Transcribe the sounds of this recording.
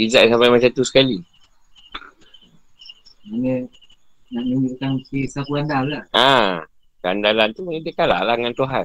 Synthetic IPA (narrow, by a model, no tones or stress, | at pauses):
izaʔsampajmat͡ʃat̪usə̥kali | manə | naʔniŋiʔkaŋkisakuandallaa | kandalant̪umaɲedəkala̰ʔlahŋant̪uɦa